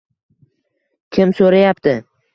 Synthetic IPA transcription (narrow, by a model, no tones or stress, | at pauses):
kʲʰɪmsoɾajapt̪ʰɪ